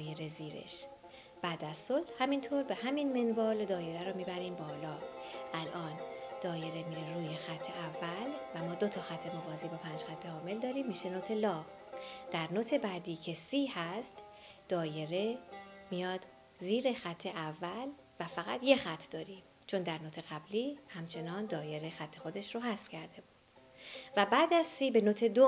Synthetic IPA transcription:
je̞ɾe̞ziːɾḛʃ | b̥æːd̪æzsolhhæmint̪ʰoɾbe̞hæminmenvɒːld̪ɒːje̞ɾæɾɔːmiːbæɾiːmbɒːlɒːʔælʔɒːnd̪̥ɒːje̞ɾe̞miːɾeɾuːjexæt̪ʰːe̞ʔævːælvæmɒːd̪ot̪ʰɒxæt̪ʰːenovɒːziːbɒːpʰæːnd͡ʒxæt̪ʰːe̞hɒːme̞ld̪ɒːɾiːmːiːʃenot̪ʰe̞lɒːv | d̪̥æɾnot̪ʰe̞bæːd̪iːcʰe̞siːhæst̪ | d̪̥ɒːje̞ɾe̞mijɒːd̪̥ | ziːɾe̞xæt̪ʰːe̞ʔævːæl | væfæɣæt̪ʰje̞xæt̪ʰːd̪ɒːɾiːm | t͡ʃʰo̞nd̪æɾnot̪ʰe̞ɣæbliːhæmt͡ʃʰe̞nɒːnd̪ɒːje̞ɾexæt̪ʰːe̞xo̞d̪e̞ʃroɦæsb̥cʰæɾd̪e̞buːd̪̥ | væbæːd̪æzsiːbe̞not̪ʰe̞d̪o

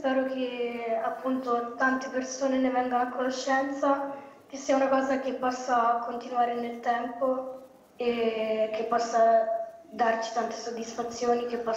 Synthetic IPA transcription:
spɛːɾok̟eapːunt̪ot̪ant̪epersoːnenevɛŋɡanoakːonoʃːɛnt̪sak̟esːiːaunakɔːzak̟epːɔsːaːkːont̪inuaːɾenelt̪ɛmpo | ek̟ːepːɔsːad̪art͡ʃi̥t̪ant̪esod̪ːisfat̪sːjoːnik̟epːɔ

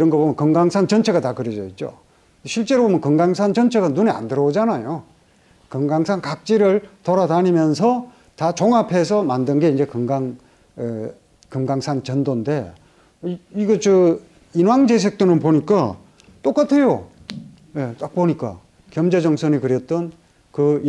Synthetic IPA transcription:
iɾʌnɡʌbomjʌnkɯŋɡaŋsʰant͡ɕʌnt͡ɕʰe̞ɡatakɯɾjʌd͡ʑʌit̚t͡ɕ͈o̰ | ɕʰiɭt͡ɕ͈e̞ɾobomjʌnkɯŋɡaŋsʰant͡ɕʌnt͡ɕʰe̞ɡanunea̰ndɯɾʌod͡ʑanajo | kɯŋɡaŋsʰankak̚t͡ɕ͈iɾɯɭtʌɾataɲimjʌnsʰʌ | tat͡ɕoŋapʰe̞sʰʌmandɯnɡe̞ind͡ʑe̞kɯŋɡaŋ | kɯŋɡaŋsʰant͡ɕʌndonde̞ | iɡet͡ɕɯ | inwaŋd͡ʑe̞s̬ʰe̞k̚t͈ɯnɯnpoɲik͈a | t͈ok͈atʰe̞jo | je̞t͈ak̚poɲik͈a̰ | kjʌmd͡ʑe̞d͡ʑʌŋsʰʌnikɯɾjʌt͈̚ʌn | kɯ

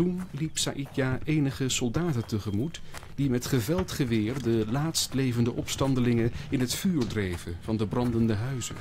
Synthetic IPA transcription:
tunlipsa̰ːʔidjaʔejnəχəsɔlˠdaːtəntəχəmutd̥imɛtχəvɛlˠtχəʋɪːrdəlaːtstlejvəndəʔɔpstɑndəlɪŋənɪnɦətfyːɹdrejvənv̥ɑndəbrɑndəndəɦœɥzə̰n

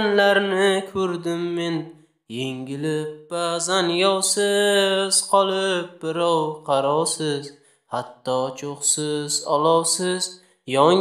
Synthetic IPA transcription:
nlaɾnɪkʰɵɾd̪ɪmːe̞n | jeŋʲɪlɪp̚bazanjɒwsɪz̥qʰɒlˠɪp̚bɪɾɒwqʰɑɾɒwsɪz | hat̪ːɒt͡ʃʰoχsɪzɒlˠɒwsɪz | jɒ

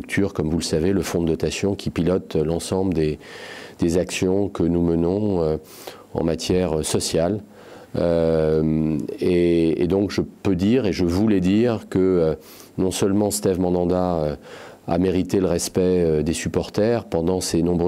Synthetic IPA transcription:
yk̚t̪ʰyʁkɔmvuləsaveləfɔ̃d̪əːɔt̪asjɔ̃kʲʰipilɔt̪lɑ̃sɑ̃bləd̪ed̪̥ezaksjɔ̃kənumənɔ̃ø | ɑ̰̃mat̪jɛʁøsɔsjal | ø | eḛd̪ɔ̃kʒəpød̪iʁeʒəvulɛd̪iʁkəø | nɔ̃sœlmɑ̃st̪ɛvmɑ̃d̪ɑ̃d̪aø | a̰meʁit̪eləʁɛspɛød̪esypɔʁt̪ɛʁpɑ̃d̪ɑ̃senɔ̃bʁ

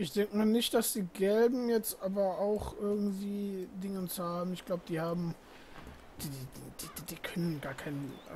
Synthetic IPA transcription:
ʔɪçd̥ɛŋkəmaːɐnɪçt̚d̥asd̥iːɡɛlbm̩jɛt͡stʔaːbɐaʊxʔɪɐɡŋ̩tv̥iːdɪŋət͡shaːbm̩ɪçɡ̥laʊbəd̥iːhaːbm̩ | d̥id̥idd̥iːkʰœnənɡaːɐkʰaɪn

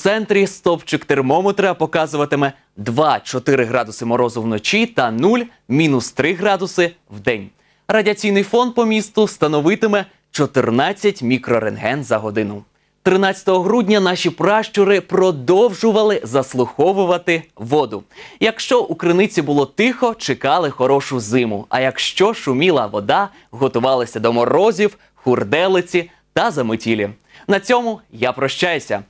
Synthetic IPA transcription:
t̪sɛnt̪ɾʲist̪ɔpt͡ʃɪkt̪ermɔmet̪ɾɐpɔkɑzʊʋɐt̪ɪmɛ | d̪ʋɑt͡ʃɔt̪ɪɾɪɦɾɑd̪ʊsɪmɔɾɔzʊwnɔt͡ʃʲit̪ɐnulʲ | mʲinʊst̪ɾɪɦɾɑd̪ʊsɪ | wd̪ɛnʲ | rɐdʲiɐt͡sʲijnɪjfɔnd̪̚pɔmʲist̪ʊst̪ɐnɔʋɪt̪ɪmɛ | t͡ʃɔt̪ɪrnɑt͡sʲːɐtʲmʲikɾɔɾenɦɛnzɐɦɔd̪ɪnʊ | t̪ɾɪnɑt͡sʲɐ̥t̪ɔɦɔɦɾudʲnʲɐnɑʃʲipɾɑʃt͡ʃʊɾɪpɾɔd̪ɔwʒʊʋɐlˠɪzɐslˠʊxɔʋʊʋɐt̪ɪʋɔd̪ʊjɐkʃt͡ʃɔʔukɾɪnɪt͡sʲibʊlˠɔt̪ɪxɔt͡ʃɪkɑlˠɪxɔɾɔʃʊzɪmʊ̰ɐjɐkʃt͡ʃɔʃʊmʲilˠɐʋɔd̪ɑ | ɦɔt̪ʊʋɑlˠɐsʲɐd̪ɔmɔrɔzʲiw | xʊrd̪ɛlˠɪt͡sʲi | t̪ɐzɐmɪtʲilʲi | nɐt͡sʲɔmʊjapɾɔʃt͡ʃajʊsʲɐ̰

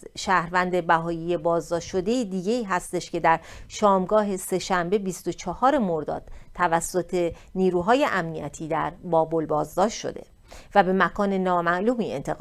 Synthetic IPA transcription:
ʃæːhɾvænd̪e̞bæɦɒːjije̞bɒːzd̪ɒːʃʃo̞d̪e̞jid̪iːɟe̞iːɦæst̪e̞ʃce̞d̪æɾʃɒːmɡɒːɦe̞se̞ʃæmbe̞bist̪o̞t͡ʃʰɒhɒːɾe̞mo̞ɾd̪ɒ̰ːd̪̥̚t̪ʰævæsːo̞t̪ʰe̞ | niːɾuːɦɒːje̞ʔæmniæ̰t̪ʰiːd̪æɾbɒːbo̞lbɒːzd̪ɒːʃt̪ʃo̰d̪e̞̰ | væbe̞mækʰɒːne̞nɒːmæʔluːmiːe̞̰nt̪ʰe

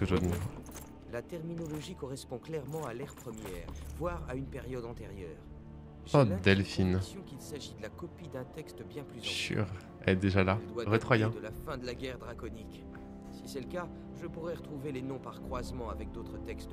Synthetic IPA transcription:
əʒod̪nɛ | lat̪ɛʁminɔlɔʒikɔʁɛspɔ̃klɛʁmɑ̃alɛʁpχəmjɛːʁvwaʁaynpɛʁjɔd̪ɑ̃t̪eʁjœːʁ | ʒɔd̪ɛlfinsjɔ̃kilsaʒid̪əlakɔpid̪ɛ̃t̪ɛkst̪bjɛ̃plyzʃy̰ʁ | ɛɛd̪eʒalaɛld̪waʁɛt̪χwajɛ̃d̪əlafɛ̃d̪əlaɡʲɛʁd̪ʁakɔnik | sisɛləka | ʒəpuʁɛʁət̪χuvelenɔ̃paʁkχwazmɑ̃avɛk̚d̪ot̪χət̪ɛkst̪

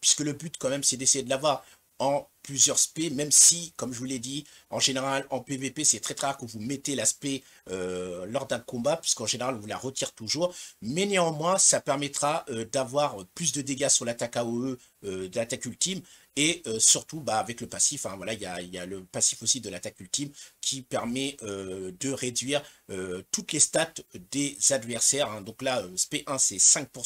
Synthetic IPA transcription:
pɥiskələbyt̪kɑ̃mɛmsɛd̪esejed̪əlavwaʁ | ɑ̃plyzjœʁspɛmɛmsikɔmʒəvulɛd̪i | ɑ̃ʒeneʁalɑ̃pevepesɛt̪χɛt̪χaʁkəvumɛt̪elaspɛ | ølɔʁd̪ɛ̃kɔ̃bapɥi̥skɑ̃ʒeneʁal̃vula̰ʁət̪iʁt̪uʒuːʁmɛniɑ̃mwɛ̃sapɛʁmɛt̪χaʔød̪avwaʁøplys̬d̪əd̪eɡasyʁlat̪akaoø | ød̪əlat̪akylt̪im | eøsyʁt̪ubaːvɛkləpasifɛ̃vwalailjailjaləpasifosid̪əlat̪akylt̪imkʲʰipɛʁmɛød̪əʁed̪ɥiʁøt̪ut̪lest̪at̪d̪ezad̪vɛʁsɛʁɛ̃d̪ɔ̃klaøspeʔɛ̃sɛsɛ̃k̚pu

